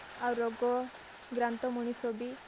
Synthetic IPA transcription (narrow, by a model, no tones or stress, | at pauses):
awɾɔɡɔ | ɡɾant̪ɔmuɳ̃isɔbi